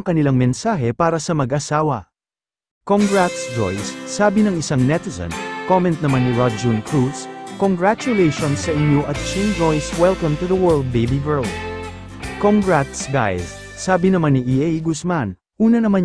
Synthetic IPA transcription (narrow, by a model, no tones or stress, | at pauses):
ŋkɐnɪlaŋmɛnsaːɦɛpaːɾɐsɐmɐɡʔɐsaːwɐ | koŋɡɹat̪sd͡ʒo̰jsːaːbɪnɐŋɪsaŋnɛt̪ɛsɐ̰̃nkomɛ̃nt̪̚nɐmanːiɹad͡ʒunkɹut̪skoŋɡɹat͡ʃʊlejʃonsːɐʔɪɲjoʔɐt̪̚t͡ʃind͡ʒojswɛlkɐ̃mt̪uðɐwɜ˞ld̪̚bejbiɡɛ˞lˠd̪ | koŋɡɹat̪sɡa̰jsː | aːbɪnɐmanːiʔiʔɛjɡʊsman | ʔuːnɐnɐma